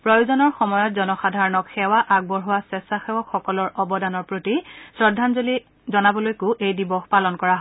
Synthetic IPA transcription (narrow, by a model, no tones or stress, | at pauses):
pɹɔjuzɔnɔɹxɔmɔjɔt̚zɔnɔxadʱaɹɔnɔkxɛwaʔaɡ̚bɔɹɦuwasɛsaxɛwɔkxɔkɔlɔɹʔɔbɔdanɔɹpɹotisɹɔdʱːanzoli | zɔnabɔlojkʊʔejdibɔxpalɔnkɔɹaɦɔ